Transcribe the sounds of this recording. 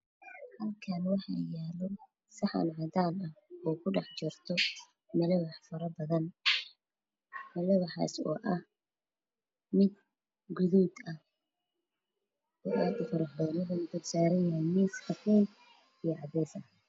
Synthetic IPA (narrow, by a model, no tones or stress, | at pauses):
hɐlkʰɐnwɑħɑ̰ːjaːlɔ | sɐħɑ̰nʕɑt̪ʰaːnɐhɔːkʰʊɖɑħt͡ʃɔrt̪ʰɔ | mɛlɛwɑħfɐɾɐbɐðɐn | mɛlɛwɑħɑ̰ːsɔ̰ːʔɐh | mɪd̪ | ɡʊðuːd̪ɐh | ɔːʔaːd̪ʊfɐɾɐħdɛːnɐðɐnʊbʊdsaːɾɐjɐɦɛjmisħɐfʰɛːl | ijɔʕɑbɛːsɐ